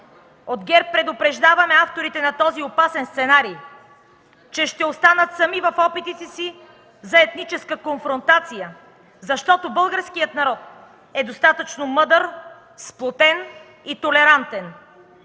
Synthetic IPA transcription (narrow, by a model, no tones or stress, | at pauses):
od̪ɡɛɾpːɾɛd̪opɾɛʒd̪avɐmɛaft̪oɾit̪ɛnɐt̪ɔziopasɛnst̪sɛnaɾi | t͡ʃɛʃt̪ɛost̪anət̪sɐmivɐfɔpit̪it̪ɛsi | zɐɛt̪nit͡ʃɛskəkonfɾont̪at̪sijə | zɐʃt̪ɔt̪obɤlˠɡəɾskijət̪nɐɾɔt̪̚ | ɛd̪ost̪at̪ət͡ʃnomɤd̪əɾ | splˠot̪ɛn | it̪olɛɾant̪ɛn